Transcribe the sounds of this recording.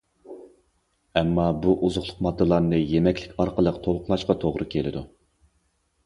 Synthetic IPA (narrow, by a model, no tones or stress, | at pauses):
ɛmːɑbuʔuzʊχlˠʊqmɑd̪ːɨlˠɑɾnɨjemɛkʲlɪkʲɑɾqəlˠəqt̪ʰolˠqʰʊlˠɑʃqɑt̪ʰoʁɾɨkʲʰelɪd̪u